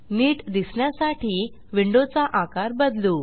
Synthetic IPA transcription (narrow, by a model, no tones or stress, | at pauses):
niːʈd̪isɳjasaʈiː | ʋiɳɖot͡saʔakaɾbəd̪lu